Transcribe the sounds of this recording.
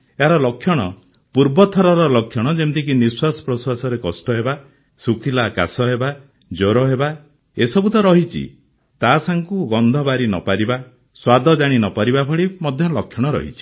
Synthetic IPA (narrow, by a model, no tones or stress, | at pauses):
eɦaɾɔlɔkʰːjɔɽ̃ɔ | puɾbɔt̪ʰɔɾɔɾɔlɔkʰjɔɽ̃ɔd͡ʒent̪ik̬iniswasɔ̥pɾɔswasɔɾekɔsʈɔɦeba | sukʰilaka̰sɔɦeba | d͡ʒoɾɔɦeba | esɔbut̪ɔɾɔɦit͡ʃʰḭ | t̪asaŋkuɡɔnd̪ʱɔbaɾinɔ̰paɾiba | swad̪ʱɔd͡ʒaɽ̃inɔpaɾibabʱɔɭimɔd̪ʱjɔlɔkʰjɔɽ̃ɔɾɔ̰ɦḭt͡ʃʰi̥